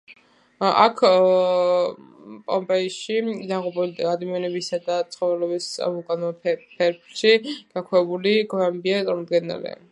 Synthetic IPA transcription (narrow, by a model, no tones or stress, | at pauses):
a̰kʰ | pʼɔmpʼɛiʃid̪aʁupʼulad̪amianɛbisad̪at̪sʰχɔɾɛlɔbisʼa̰mukʼanɔpʰɛɾpʰʃiɡ̥akʰwɛɛbuliɡvambiat̪ʼaɾmɔd̪ɡɛna̰lɛ̰